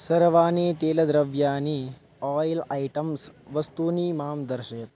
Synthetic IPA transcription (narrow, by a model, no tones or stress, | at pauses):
sɐɾʋaːneːt̪eːlɐd̪ɾɐʋjaːni | ɔːjlaːjʈɐmsʋɐst̪uːniːmaːmd̪ɐɾʃɐt̪